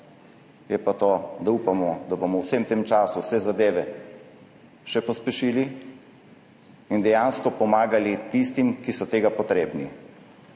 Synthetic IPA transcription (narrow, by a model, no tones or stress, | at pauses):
jɛpat̪od̪auːpamɔd̪abomɔwsemt̪eːmt͡ʃaːsusɛzad̪eːʋɛ | ʃɛpɔspɛʃiːli | ind̪ɛjanskɔpɔmaːɡalit̪ist̪imkisɔt̪eːɡapɔt̪ɾeːbni